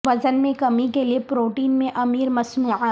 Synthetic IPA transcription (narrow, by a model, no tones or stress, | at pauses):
ʋɐd͡ʒənmẽkɐmikeliepɾoːʈiːnmẽʔɐmiːɾmɐsnuːʕa